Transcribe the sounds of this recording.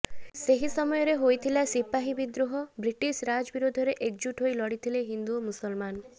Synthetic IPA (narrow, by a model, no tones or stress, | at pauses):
seɦisɔmɔjɔɾeɦojt̪ʰilasipaɦibid̪ɾuɦɔbɾiʈisɾad͡ʒɔbiɾod̪ʱɔɾeʔek̚d͡ʒuʈɦojlɔɽit̪ʰileɦind̪umusɔlman